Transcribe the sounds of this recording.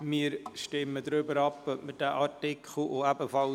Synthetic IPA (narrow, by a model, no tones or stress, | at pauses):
mɪːɾʃtɪmːədɾʏbəɾɑpəʔmət̚d̥ɛʔɑɾtɪkʰχl̩oæbəfɑl